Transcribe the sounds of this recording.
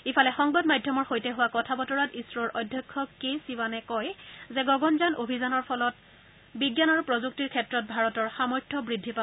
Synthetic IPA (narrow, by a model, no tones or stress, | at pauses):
ifʰalɛxɔŋbadmajdʱjɔmɔɹxojtɛɦʊwakɔtʰabɔtɔɹatisɹɔɹʔɔjdʱjɔkʰːɔkːesiwanɛkɔjzɛɡɔɡɔnzanobʱizanɔɹpʰɔlɔt̚ | biɡjanɔɹupɹozuk̚tiɹkʰɛtɹɔt̚bʱaɹɔtɔɹxamɔɹtʰːɔbɹidʱːipa